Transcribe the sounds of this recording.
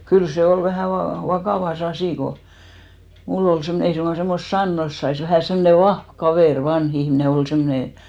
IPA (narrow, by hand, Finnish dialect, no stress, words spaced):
kyl se ol ʋæhæ ʋɑ ʋɑkɑˑʋɑs ɑsiˑ ko mulː ol semːŏne ei suŋɡ̊ɑ semːost sɑnːos sɑis ʋæhæˑ semne ʋɑhʋ kɑʋeˑr ʋɑnh ihmne ol semːŏne